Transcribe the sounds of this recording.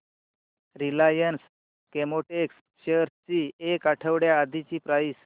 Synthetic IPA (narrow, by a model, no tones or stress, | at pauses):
ɾilajəns | kemoʈeks | ɕeɾt͡ɕiːekaʈʰəʋɽjaːd̪ʱit͡ɕiːpɾajs